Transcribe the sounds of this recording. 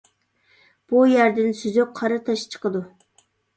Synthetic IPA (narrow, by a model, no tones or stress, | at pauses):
b̥ujæɾd̪ɪnsyzyp̚qʰɑɾɨt̪ʰɑʃt͡ʃʰə̥qəd̪u